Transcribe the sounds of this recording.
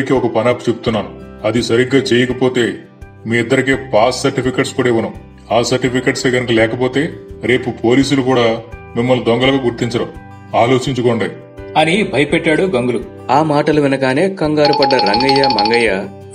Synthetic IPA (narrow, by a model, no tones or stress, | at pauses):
ikiɔkɐpɐnaːpu̥t͡ʃebut̪unːaːnuɐd̪isɐɾiɡːaːt͡ʃɛːjɐkɐpo̞ːt̪e̞ː | miːid̪ːɐɾikeːpaːssɐɾʈipʰikeʈskuːɽaɐʋunɐ | aːsɐɾʈipʰikeʈse̞ːɡɐnɐkɐlɛːkɐp̬o̞ːt̪e̞ːɾe̞ːpupʰo̞ːliːs̬ulukuːɽaːmimːɐlːud̪ɔŋɡɐlɐɡaːɡuɾt̪iɲt͡ʃɐɽɐm | aːlo̞ːt͡ʃiɲt͡ʃukoːɳɖɐ | ɐnibʱɐjɐpɛʈːaːɽuɡɐŋɡulu | aːmaːʈɐlɐʋinɐkaːne̞ːkɐŋɡaːɾupɐɖːɐɾɐŋɡɐjaːmɐŋɡɐjːaː